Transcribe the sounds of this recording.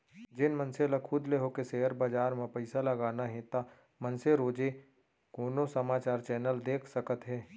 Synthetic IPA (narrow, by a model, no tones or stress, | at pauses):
d͡ʒɪnmɐnselɐkʰud̪leɦokeseɦəɾbaːd͡ʒaːɾmẽpɐɪsalɐɡaːnaɦẽːt̪a | mɐnseɾoːd͡ʒe | koːnosɐmaːt͡ʃaːɾt͡ʃɛːnəld̪eːkʰsɐkət̪ɦɛː